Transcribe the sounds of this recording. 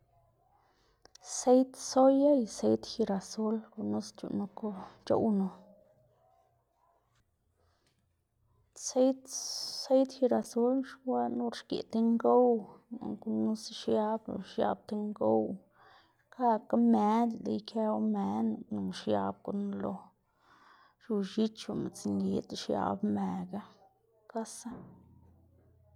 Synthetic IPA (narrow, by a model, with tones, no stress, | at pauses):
se˦jt̪so˦ja˦jse˦jt̪xi˧ɾa˨su˦lku˧nu˦st͡ʃṵ˨ʔnu˧ko˦t͡ʃo̰˦˧wno˨ | se˦jt̪se˦jt̪xi˧ɾa˨su˦lʂwa˦nu˧ɾʃkḛ˨t̪e˧ŋɡo˦wa̰˨ŋku˦nu˦sʃja˦b̰ʃja̰˧b̚t̪e˦ŋɡo˦w | ka˦ka˦me˦d̪lḭ˦jkʰe˦wme˧n˨nu˨ʃja˧b̚ko˨nlo˨ | ʃu˧ʃi˦t͡ʃu˨ma̰˨t͡si˨nli˧˦t̪ʂja̰˧˦bme˨ɡa˦ | ka˦sa˦